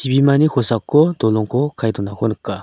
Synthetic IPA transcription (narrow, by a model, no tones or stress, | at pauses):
ɕipimanikʰosakːot̪oloŋkokʰajt̪onakʰonəkːa